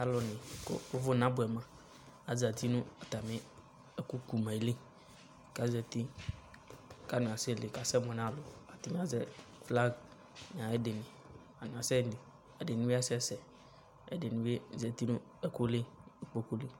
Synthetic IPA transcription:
a˨lɔ˨nɪ̃˨ko̰˦o˦vʊ˦˨nã˦bʊ˨ɛ˨mã˨ | a˨za˨t̪i˦nũ˦a˨t̪a˨mɪ̃˦ | e˦ku˦ku˦mɛ̃˨˦li˦˨ | ka˦zɛ˨t̪i˦ | ka˨˦nũ˨a˨se˦˨le˨ka˨sɛ˦mɔ̃˨nã˦˨lo˨a˨t̪i˦mĩ˦a˦zɛ˦fla˦ɡ | n˨ã˨e˦de˨nɪ̃˨ | a˨nũ˨a˨sɛ˦˨di˨ | a˨de˨nũ˦ba˦sɛ˦sɛ˨ | ḛ˨de˨nũ˦be˦zɛ˨t̪i˦nũ˦ | ɛ˦ku˦le˦k͡po˦ku˦li˦

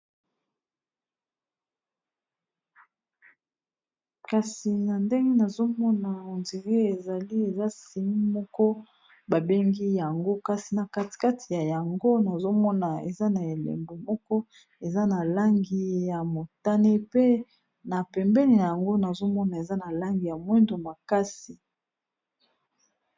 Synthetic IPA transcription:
ka˨si˨na˨nde˦ŋɡe˦na˨zo˦mɔ˦na˨o˨nzi˨ʁe˦e˨za˨li˦e˨za˦si˨mi˦mɔ˦kɔ˦ | ba˨be˦ŋɡi˦ja˨ŋɡo˦ka˦si˨na˨ka˦tka˦tʰi˨ja˨ja˨ŋɡo˦na˨zo˦mɔ˦na˨ḛ˨za˦na˨e˨lḛ˨mbo˨mɔ˦kɔ˦ | e˨za˦na˨la˦ŋɡi˦ja˨mo˨ta˦ne˦pe˦ | na˨pɛ˨mbɛ˦ni˨na˨ja˨ŋɡo˦na˨zo˦mɔ˦na˨e˨za˦na˨la˦ŋɡi˨ja˨mwɛ˦ndo˨ma˨ka˦si˨

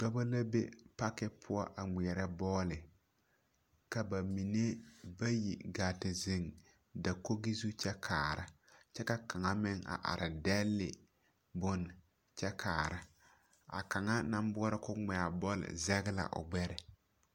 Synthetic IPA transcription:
ɡ͡ba˦ba˦la˦bḛ˦pa˦kɪ˦pʰʊ˦ɔ˦ʔa˨ŋ͡mi˨ɛ˨ɾɛ˦bɔː˦lɪ˨ | ka˨ba˨mi˨ne˦ba˦jḭ˨ɡaː˨tɪ˨zɪ˨ŋ | da˨ko˦ɡi˦zu˦t͡ʃɛ˦kʰaː˨ɾɪ˦t͡ʃɛ˦ka˦ka˨ŋa˦mɪ˦ŋa̰˨ʔa̰˨ɾɪ˨dɛ˦lːɪ̰˨ | bʊ˦n | t͡ʃɛ˦kʰaː˨ɾɪ˦ | a̰˨ka˨ŋa˦na˦m˦bɔ˦ɾɪ˦kʊ˦ŋ͡mɛ˨a˨bɔ˦lɪ̰˨zɛ˦ɡɪ˦la̰˨ʔʊ̰˨ɡ͡bɛ˦ɾɪ˨

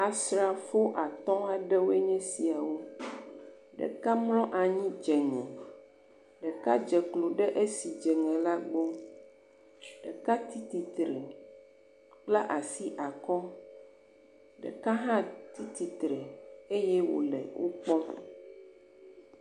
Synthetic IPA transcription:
a˨sɾa˨fo˦ʔa˨t̪ɔ̃˦a˦ɖɛ˦wo˦e˦ɲɛ̃˦si˨a˨wo˦ | ɖɛ̰˨ka˦mlɔ̃˦ʔa˨ɲĩ˦d͡ʒɛ˨ɲɛ̃˨ | ɖɛ˨ka˦d͡ʒɛ˨klo˨ɖɛ˦ʔe˦si˨d͡ʒɛ˨ŋɛ̃˨la˦ɡ͡bo˦ | ɖɛ̰˨ka˦t̪i˦t̪i˨t̪ɾɛ˨ | k͡pla˦ʔa˨si˦ʔa˨kɔ˦ | ɖɛ̰˨ka˦ɦã˦t̪i˦t̪i˨t̪ɾɛ˨e˦jɛ˦wo̰˨lɛ̰˨wʔo̰˦k͡pɔ̃˦

